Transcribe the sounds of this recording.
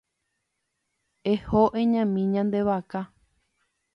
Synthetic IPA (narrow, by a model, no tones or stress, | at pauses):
ehoʔẽɲãmĩɲãnd̪e̞βaka